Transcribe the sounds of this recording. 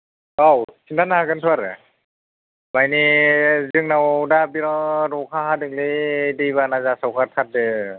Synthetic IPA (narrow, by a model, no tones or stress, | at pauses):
awsʰintʰanahaɡɯntʰuaɾɯ | majnizɯŋnawdabiɾɔɾɔkʰaɦadɯŋledɯjβanazasawkʰaɾtʰat̚dɯ